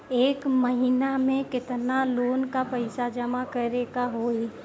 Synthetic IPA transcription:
eːkməɦɪnamẽkɪt̪naloːnkapɐɪsad͡ʒəmakɐɾeːkaɦoːi

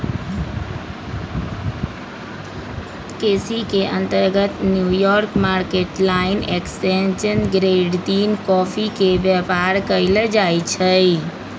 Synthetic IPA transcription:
keːsikeʔə̃nt̪əɾɡət̪njujɔɾkmaɾkeʈlaɪneksʈenʃənɡɾeɖt̪iːnkɔpʰikeʋjəpaɾkəɪləd͡ʒait͡ʃʰəi

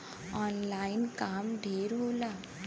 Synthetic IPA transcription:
ɔːnlaːɪnkaːmɖʱeːɾɦoːlaː

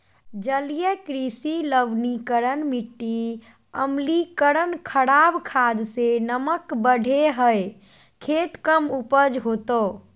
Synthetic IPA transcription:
d͡ʒəlijəkɾisiləʋnikəɾənmiʈːi | əmlikəɾənkʰəɽabkʰad̪senəməkbəɖʱeɦəj | kʰet̪kəmupəd͡ʒɦot̪o

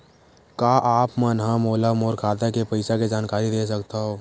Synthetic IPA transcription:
kaːʔaːpmənɦamoːlamoːɾkʰaːt̪akepɐɪsaked͡ʒaːnkaːɾid̪eːs̬əkt̪aɦoː

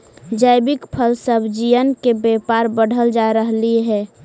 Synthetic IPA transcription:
d͡ʒəɪbɪkpʰəlsəbʱd͡ʒijənkebɛpaɾbəɽ̤ʱəld͡ʒaɾəɦliɦɛː

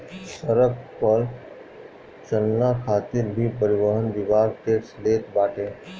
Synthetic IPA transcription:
səɾəkpəl | t͡ʃənːakʰaːt̪iɾbʱipəɾɪʋəɦənd̪ɪʋaːɾʈeːksleːt̪baːʈʰẽː

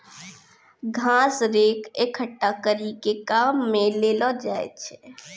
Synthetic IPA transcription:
ɡʱãːsɾeːkʰekʰːəʈːakəɾikekaːmːẽleːlɔd͡ʒaːḛt͡ʃʰɛ

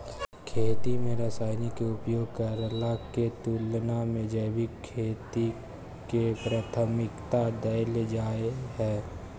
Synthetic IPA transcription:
kʰeːt̪imẽɾəsaːɪnikeʊpjoːɡ̚kəɾlaket̪uːlnamẽd͡ʒəːbɪkkʰːeːt̪i | kepɾat̪ʰəmɪkt̪ad̪əɪled͡ʒaːeɦɛː

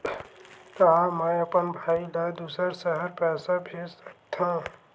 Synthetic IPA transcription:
t̪aɦãmãɐpənbʱaːilad̪uːsəɾsəɦəɾpɛːsabʱeːsək̚t̪ʰã

